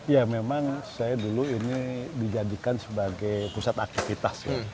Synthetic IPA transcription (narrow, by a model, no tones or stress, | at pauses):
jamemaŋsajaduluinidid͡ʒadikansəbaɡajpusat̪ak̚t̪ifit̪asja̰